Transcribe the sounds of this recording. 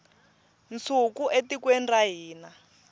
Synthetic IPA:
nt͡sʰukuʔetikwɛndaɦiːna

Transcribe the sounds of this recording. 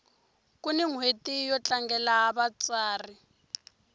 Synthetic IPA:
kʼunɪŋwetijɔt͡ɬʼaŋɡɛlaabat͡sʼaːri

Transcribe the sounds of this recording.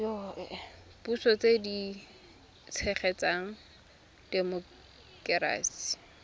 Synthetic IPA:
jɔʔɛ | pusɔt͡sedi | t͡sʰɛχɛt͡saŋ̩ | d̥emʊ | kɛɾa̰ːsi̥

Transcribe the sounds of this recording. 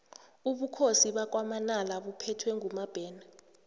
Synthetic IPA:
uɓukʰosiɓak̬ʼwamanalaɓupʰɛtʰwɛŋʱumab̥ʱɛːna

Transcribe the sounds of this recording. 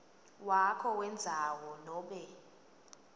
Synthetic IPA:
wakʰɔwɛnd͡zʱawɔnɔːɓɛ

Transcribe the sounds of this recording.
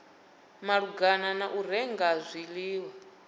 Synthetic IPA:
maɺuɡananaʔuɾɛŋɡazʷiliːwa

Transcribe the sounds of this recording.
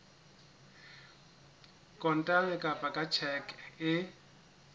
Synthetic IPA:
kʼɔn̩tʼamɪkʼapʼakʼat͡ʃʰɛkʼɪ

